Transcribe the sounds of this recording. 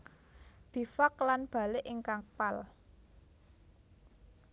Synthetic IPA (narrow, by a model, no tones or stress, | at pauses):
b̥i̤fɔklanb̥a̤lɪʔiŋkaŋpal